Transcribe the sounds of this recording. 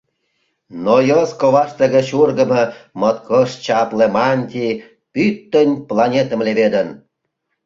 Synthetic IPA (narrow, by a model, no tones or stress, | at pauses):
nojəskoβɑʃt̪əɣə̆t͡ɕurɡə̆mə̆mət̪kʰoʃt͡ɕɑplemɑnʲt̪ʲi | pyt̪ːənʲplɑnʲet̪ə̆mleβed̪ən